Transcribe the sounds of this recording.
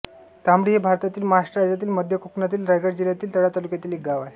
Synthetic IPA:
t̪ambɽiːɦebʱaɾt̪at̪iːlməɦaʂʈɾəɾad͡zat̪̬iːlməd̪ʱjəkuknat̪iːlɾajɡəɾd͡ʑiljat̪iːlt̪əɽat̪alukjat̪iːlek̚ɡaʋae

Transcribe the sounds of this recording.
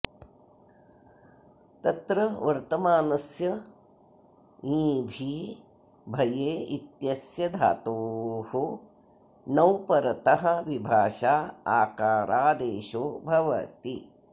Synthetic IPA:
t̪ɐt̪ɾɐʋɐɾt̪ɐmaːnɐsjɐ | ĩːbʱiː | bʱɐjeːit̪jɐsjɐd̪ʱa̰ːt̪oːhu | nɐwpɐɾɐt̪ɐɦɐ̆ʋibʱaːʃaːaːkaːɾʔaːd̪eːʃoːbʱɐʋɐ̰t̪i

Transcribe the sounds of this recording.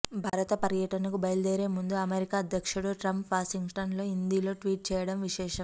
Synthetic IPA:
bʱaːɾɐt̪ɐpɐɾjɐʈɐnɐkubɐjld̪eːɾe̞ːmund̪uɐmeɾikaːɐd̪ʱjɐkʂuɽuʈɾɐmpʋaːʃiŋɡsʈɐnlo̞ːind̪iːlo̞ːʈʋiːʈ̚t͡ʃɛːjɐɽɐmʋiʃɛːʃɐm

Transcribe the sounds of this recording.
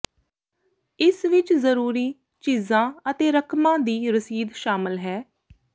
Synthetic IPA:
ɪsʋɪt͡ʃzəɾuːɾiː | t͡ʃiːzãːət̪eːɾəkʰmãːd̪iːɾəsiːd̪ʃaːmɪlɦɛː

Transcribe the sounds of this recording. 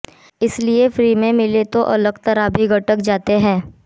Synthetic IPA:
ɪsliefɾiːmẽmɪlet̪oʔɐləɡt̪ɐɾabʱiɡʱɐʈəkd͡ʒaːt̪eɦɛ̃ː

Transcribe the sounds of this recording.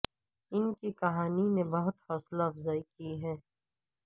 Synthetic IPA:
ɪnkikɐɦaːninebɐɦʊt̪fɔːslaːfzaːikiɦɛː

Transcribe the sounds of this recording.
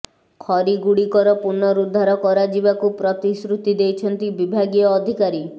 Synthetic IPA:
kʰɔɾiɡuɽikɔɾɔpuɾnɔɾud̪ʱːaɾɔkɔɾad͡ʒibakupɾɔt̪isɾut̪id̪ejt͡ʃʰɔnt̪ibibʱaɡijɔːd̪ʱikaɾi

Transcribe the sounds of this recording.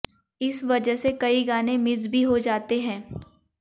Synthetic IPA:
ɪsʋɐd͡ʒəɦsekɐiɡaːnẽmɪzbʱiɦod͡ʒaːt̪eɦɛ̃ː

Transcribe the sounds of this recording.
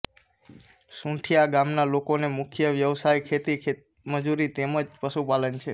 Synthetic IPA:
sũʈʰijaɡamnalokonemʊkʰjəʋjəʋsajkʰet̪ikʰe | məd͡ʒuɾit̪eməd͡ʒpəʃupalənt͡ʃʰe

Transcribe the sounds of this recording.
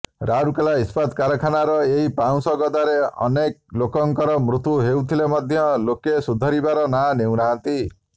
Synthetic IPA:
ɾaɾukelaispad̪kaɾɔkʰanaɾɔeɦipaw̃sɔɡɔd̪aɾeɔ̰nek̚lokɔŋkɔɾɔmɾut̪uɦewt̪ʰilemɔd̪ʱjɔlokesud̪ʱɔɾibaɾɔnanew̃ɾaɦant̪i

